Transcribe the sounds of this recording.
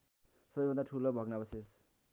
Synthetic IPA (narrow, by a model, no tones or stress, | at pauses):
sʌbʌjbʱʌnd̪aʈʰulobʱʌɡnabʌses